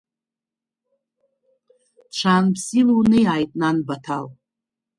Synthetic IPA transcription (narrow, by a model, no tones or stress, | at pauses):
ʈ͡ʂʷʰaːnpʰsilunɨjaːjtʼnanbatʰal